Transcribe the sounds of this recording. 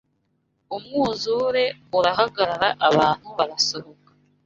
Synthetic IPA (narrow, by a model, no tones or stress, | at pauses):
umŋuːzuːɾe̞uɾaɦaɡaɾaɾaʔaβaːn̥huβaɾaso̞βokḁ